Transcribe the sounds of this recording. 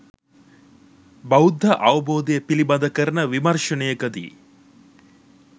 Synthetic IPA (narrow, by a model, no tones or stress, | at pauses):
bɐud̪ʱːɐʔɐʋɐboːd̪ejepilibɐd̪ɐkəɾɐnɐʋimɐɾʃɐnejɐkɐd̪ḭ